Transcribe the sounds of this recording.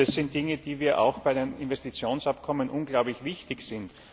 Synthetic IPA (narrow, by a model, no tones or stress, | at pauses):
asːɪnt̚d̥ɪŋəd̥iːviːɐʔa̰ʊxb̥aɪɾeːnɪnvɛstit͡sjoːnsapkʰɔmənʔʊnɡlaʊblɪçvɪçtɪçsɪnt